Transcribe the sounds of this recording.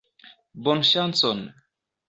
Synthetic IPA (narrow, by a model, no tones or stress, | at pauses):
bɔnʃansɔn